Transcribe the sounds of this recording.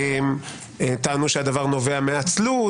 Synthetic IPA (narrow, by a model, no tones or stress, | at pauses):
m | et̪aːnuʃead̪avaʁno̞veameat͡slu